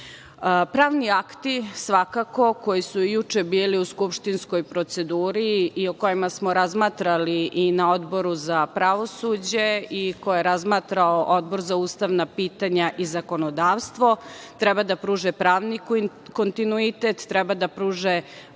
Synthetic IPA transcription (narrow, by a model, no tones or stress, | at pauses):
pɾaːʋniakt̪isʋakako̞ko̞jisuijut͡ʃebiːliuskupʃt̪insko̞jpɾo̞t̪se̞d̪uːɾiːoko̞jimasmoɾazmaːt̪ɾaliʔːnao̞d̪bo̞ɾuzapɾaʋo̞sud͡ʑeikojeɾazmaːt̪ɾaoʔod̪bo̞ɾzauːst̪aʋnapiːt̪aɲaʔizako̞nod̪aːʋst̪ʋo̞t̪ɾɛbad̪apɾuːʒepɾaːʋnik | kont̪inuit̪et̪ːɾɛbad̪apɾuːʒe